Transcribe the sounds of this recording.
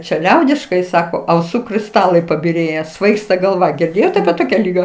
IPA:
t͡ʃʲɛ ˈlʲɛʊdʲɪʃkɐɪ ˈsɑːkoː ɐʊˈsuː krʲɪsˈtɑːlˠɐɪ pɐbʲɪˈrʲeːjæː ˈsʋɐɪkstɐ ɡɐlˠˈʋɐ ɡʲɪrʲˈdʲeːjoːt ɐpʲiɛ ˈtoːkʲɛ ˈlʲiːɡɐ

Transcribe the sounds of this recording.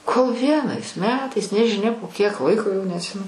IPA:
koːlˠ ˈʋʲiɛnɐɪs ˈmʲæːtɐɪs nʲɛʒʲɪˈnʲɛ poː kʲiɛk ˈlˠɐɪkoː jɛʊ nʲɛɐtʲˈsʲɪmʲɛnʊ

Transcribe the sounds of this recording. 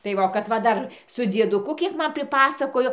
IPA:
tɐɪ ˈʋɐ oː kɐt ʋɐ ˈdɐr sʊ d͡zʲiɛdʊˈkʊ ˈkʲiɛk ˈmɐn pʲrʲɪˈpɑːsɐkoːjoː

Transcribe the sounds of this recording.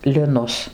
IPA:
lʲɪˈnʊs

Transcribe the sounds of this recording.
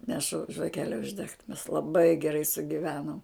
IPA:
nʲɛˈʃʊ ʒʋɐˈkʲæːlʲɛ ʊʒʲˈdʲɛkt mʲɛs lˠɐˈbɐɪ ɡʲɛˈrɐɪ sʊɡʲɪˈʋʲæːnoːm

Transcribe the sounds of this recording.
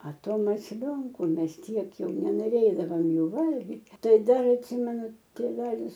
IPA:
ɐ ˈtoː mɐsʲˈlʲoːŋkʊ ˈmʲɛs ˈtʲiɛk ˈjɛʊ nʲɛnoːˈrʲeːdɐʋoːm ˈjuː ˈʋɐlʲɡʲɪtʲ ˈtɐɪ ˈdɐr ɐtʲˈsʲiːmʲɛnʊ tʲeːˈʋʲæːlʲɪs

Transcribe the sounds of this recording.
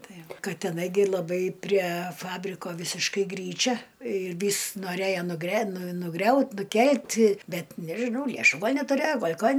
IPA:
ˈtɐɪ ˈʋɐ ˈkɐ tʲɛˈnɐɪ ɡʲɪ lˠɐˈbɐɪ pʲrʲiɛ ˈfɑːbʲrʲɪkoː ˈʋʲɪsʲɪʃkɐɪ ˈɡrʲiːt͡ʃʲɛ ɪr ˈʋʲiːs noːˈrʲeːjoː nʊɡrʲɛ nʊˈɡrʲɛʊt nʊˈkʲɛlʲtʲ ˈbʲɛt nʲɛʒʲɪˈnɐʊ lʲɛˈʃuː ˈɡɐlʲ nʲɛtʊˈrʲeːjoː ˈɡoːlʲ ˈkɐn

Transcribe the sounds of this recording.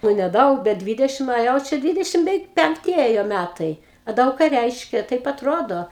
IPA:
ˈnʊ nʲɛˈdɐʊk bʲɛt ˈdʲʋʲɪdʲɛʃʲɪm oː ˈjɛʊ ˈt͡ʃʲɛ ˈdʲʋʲɪdʲɛʃʲɪm bʲɛˈʋʲɛɪk pʲɛŋkˈtʲɪ ˈeːjoː ˈmʲætɐɪ ɐ ˈdɐʊk kɑː ˈrʲɛɪʃʲkʲɛ ˈtɐɪp ɐtˈroːdoː

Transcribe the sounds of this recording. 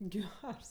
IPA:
ˈɡʲɛrs

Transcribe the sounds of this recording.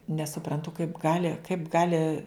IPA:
nʲɛsʊprɐntʊ kɐɪp ˈɡɑːlʲɪ kɐɪp ˈɡɑːlʲɪ

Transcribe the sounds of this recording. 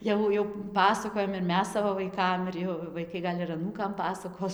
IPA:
ˈjɛʊ jɛʊ ˈpɑːsɐkoːjɛm ɪr ˈmʲɛs ˈsɑːʋoː ʋɐɪˈkɐm ɪr ˈjɛʊ ʋɐɪˈkɐɪ ɡɐlʲ ɪr ɐˈnuːkɐm ˈpɑːsɐkoːs

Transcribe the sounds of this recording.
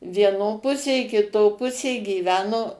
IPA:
ʋʲiɛˈnoː ˈpʊsʲeː kʲɪˈtoː ˈpʊsʲeː ɡʲiːˈʋʲæːnoː

